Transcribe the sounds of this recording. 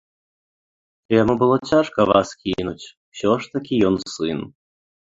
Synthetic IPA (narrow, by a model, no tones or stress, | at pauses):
jamubɨlˠɔt͡sʲaʂkɐʋa̰skʲinut͡sʲ | w̥sʲɔʂt̪ɐkʲijɔnsɨn